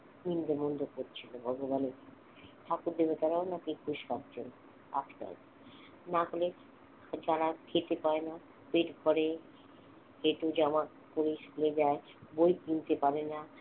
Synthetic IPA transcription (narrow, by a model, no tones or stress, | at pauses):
mind̪ʱemond̪ʱokoɾt͡ɕʰilobʱɔɡobaneki | t̪ʰakuɾd̪eβet̪aɾaonakikʰuʃkakd͡ʑʰen | a̰tka̰l | naɡole | d͡ʑaɾakʰet̪epaena | peʈɡʱɔɾe | keʈod͡ʑama | koɾeʃuled͡ʑae | bojkint̪epaɾena